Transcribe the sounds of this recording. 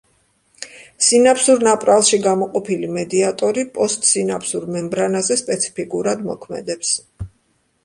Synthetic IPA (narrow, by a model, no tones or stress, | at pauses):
sinapʰsuɾnapʼɾalˠʃiɡamɔqʼɔpʰilimɛd̪iat̪ʼɔɾipʼɔst̪ʼsinapʰsuɾmɛmbɾanazɛspʼɛt̪sʰi̥pʰikʼuɾad̪mɔ̰kʰmɛ̰d̪ɛps